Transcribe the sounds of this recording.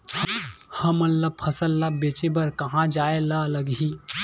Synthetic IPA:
hhəmənləpʰəsəlːabet͡ʃebɐɾkɐɦãd͡ʒaːelaələɡɦiː

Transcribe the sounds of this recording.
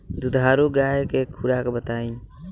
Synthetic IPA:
d̪ud̪ʱaːɾuɡaekekʰːuɾakebət̪aːĩ

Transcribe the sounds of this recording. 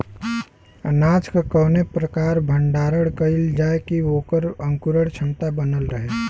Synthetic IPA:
ənad͡ʒkəkəwnepɾəkaɾbʱəɳɖaɾəɽkəɪld͡ʒaekiokəɾəŋkuɾəɽt͡ʃʰəmt̪abənəlɾəɦe

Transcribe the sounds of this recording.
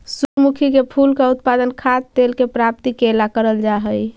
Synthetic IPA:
sukmukʰikepʰulkaut̪pad̪ənkʰat̪ːelkepɾap̚t̪ikelakəɾəld͡ʒaɦəj

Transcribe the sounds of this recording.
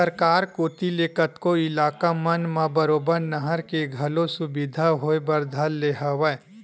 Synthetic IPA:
əɾkaːɾkoːt̪ileːkət̪koɪlaːkamənmãbəɾoːbəɾnəɦəɾkeɡʱɐlosʊbɪd̪ʱaɦoebəɾd̪ʱalːeɦəwɛ

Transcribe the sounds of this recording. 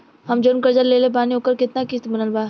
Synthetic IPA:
ɦɐmd͡ʒʊɾmkəɾd͡ʒəɾleːlepaːniɦoːkəɾkɪt̪nakit̪bɐnəlbaː

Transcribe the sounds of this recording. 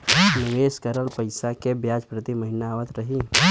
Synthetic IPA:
nɪʋeːskəɾəlpəɪsakebjaːd͡ʒpɾət̪imɐɦɪnaːʋət̪ɾɐɦi

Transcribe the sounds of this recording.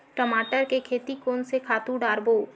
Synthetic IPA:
ʈəmaːʈəɾkekʰeːt̪ikoːnsekʰaːt̪ũɖaːɾboː

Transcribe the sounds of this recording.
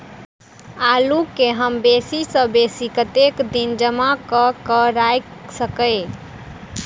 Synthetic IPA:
alukeɦəmbesisə̃besikət̪ekd̪ind͡ʒəmakəkəɾajksəkəɪ

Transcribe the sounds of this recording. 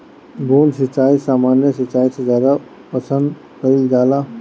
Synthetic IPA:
ɡuːnsɪt͡ʃaːisaːmaːnjəsɪt͡ʃaːisezaːd̪a | pɐsə̃nd̪ | kəɾild͡ʒaːla

